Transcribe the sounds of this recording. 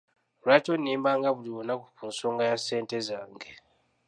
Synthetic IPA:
ɾwatonːiːmbaŋɡaβuliβonakukuːnso̞ːŋɡajase̞ːnte̞zaːŋɡe

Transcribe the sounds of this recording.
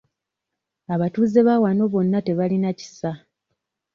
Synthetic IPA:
aβatuːze̞βawano̞βo̞nːate̞βalinaci̥sa

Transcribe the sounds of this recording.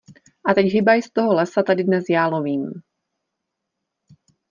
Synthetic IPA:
ʔat̪ɛɟɦɪbajst̪o̞ɦolɛsat̪adɪdnɛsjaːloviːm

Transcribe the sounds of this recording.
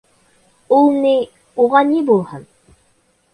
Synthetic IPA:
ulˠni | uʁɑnibulˠhɤn

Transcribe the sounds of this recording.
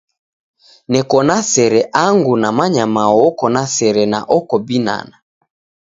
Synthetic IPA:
nɛkɔnasɛɾɛʔaŋɡunamaɲamaɔkɔnasɛɾɛna̰ʔɔkɔbina̰na

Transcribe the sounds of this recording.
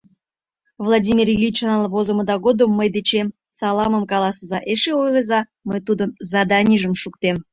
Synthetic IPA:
vlˠɑdʲimʲirjlʲit͡ɕnɑlˠvozə̆mə̆d̪ɑɡod̪əmːəjd̪et͡ɕem | sɑlˠɑməmkɑlˠɑsəzɑʔeʃeojlˠezɑ | məjt̪ud̪ənzɑd̪ɑnʲiʒəmʃuk̚t̪em

